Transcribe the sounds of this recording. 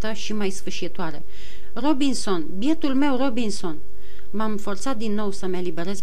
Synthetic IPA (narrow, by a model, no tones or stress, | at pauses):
t̪əʃimajsfɨʃit̪oaɾe | robinsonbijet̪ulme̞wrobinson | mamfort̪sat̪̚d̪inːo̞wsəmelibeɾez